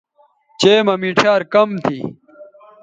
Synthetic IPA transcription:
t͡ɕeːmɐmiʈʰaːɾkɐmt̪ʰḭ

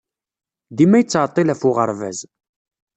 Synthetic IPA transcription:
ðimæjət͡sːʕt̪ˤːilæfʊʁə̰ɾˤvæ̰z

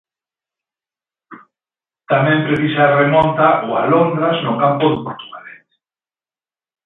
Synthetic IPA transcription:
t̪amɛ̃mpɾeθisaremõnt̪aʔoa̰lond̪ɾaznokampoðepoɾt̪uɣaleθ

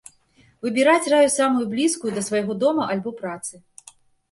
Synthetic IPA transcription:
vɨbʲiɾat͡sʲrajusamujublʲiskujud̪ɐsvɐjɣɔd̪ɔmɐʔɐlʲbɔpɾat̪sɨ

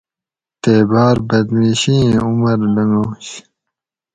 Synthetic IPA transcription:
t̪eːbaːɾbɐd̪miːɕĩːumɐɾlɐŋɡoːɕ

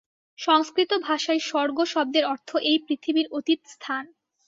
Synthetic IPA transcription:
ʃɔŋskɾit̪obʱaʃaeʃɔɾɡoʃɔb̚d̪eɾɔɾt̪ʰoʔejpɾit̪ʰibiɾot̪it̪st̪ʰan

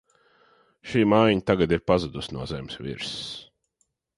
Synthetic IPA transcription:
ʃiːmaːjɲt̪aɡad̪iɾpazud̪usnuɔzɛmsvḭɾs

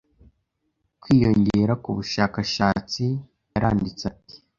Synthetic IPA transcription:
kwiːjo̞ɲɟe̞ɾakuβuʃaːkaʃaːt͡si | jaɾaːndit͡sati̥

